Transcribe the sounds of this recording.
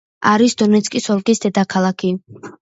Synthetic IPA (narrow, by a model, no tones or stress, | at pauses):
aɾisd̪ɔnɛt̪sʰʼkʼisɔlkʼisd̪ɛd̪akʰalˠakʰi